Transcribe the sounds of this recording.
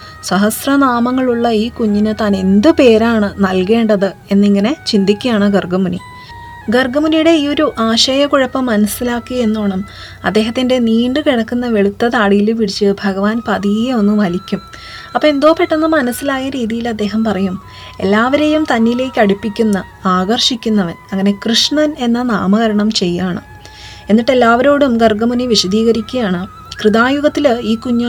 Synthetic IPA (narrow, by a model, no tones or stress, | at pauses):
swɐɦɐsrɐnaːmɐŋːɐɭuɭːɐiːkuɲːinɨt̪aːne̞nd̪ɨpe̞ːɾaːɳɨnɐlke̞ːɳɖɐðɨe̞nːiŋːɐne̞t͡ɕind̪ikʲːujaːɳɨɡɐrɡɐmunḭ | ɡɐrɡɐmunijuɽe̞iːo̞ɾuʔaːɕɐjɐkuɻɐpːɐmːɐnɐsːilaːkːie̞nːoːɳɐm | ɐ̰d̪ːe̞ːɦɐt̪ːinde̞niːɳɖɨkiɽɐkːunːɐʋe̞ɭut̪ːɐt̪aːɽijilumʋiɽit͡ɕːɨbʱɐɣɐʋaːnpɐðijeo̞nːumɐlikʲːum | ɐpːoːe̞nd̪o̞ːpeʈːunːɐmɐnɐsːilaːjɐɾiːðijilɐd̪ːe̞ːɦɐmpɐrɐjum | e̞̰lːaːʋɐɾejumt̪ɐnːile̞ːkʲːɐɽipːikʲːunːɐ | aːɡɐrʂikʲːunːɐʋɐnɐŋːɐne̞krɨʂɳɐne̞nːɐnaːmɐɣɐɾɐɳɐmt͡ɕe̞jːaːɳɨ̰ | e̞nːiʈːe̞lːaːʋɐɾo̞ːɽumɡɐrɡɐmuniʋiʂɐd̪iːɣɐɾikʲːujaːɳɨ | krɨðaːjuɣɐt̪ːiliːkuɲːɐ